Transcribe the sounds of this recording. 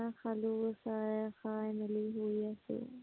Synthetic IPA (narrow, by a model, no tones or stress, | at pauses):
axalusaxaːjmɪliɦuiɐsḭ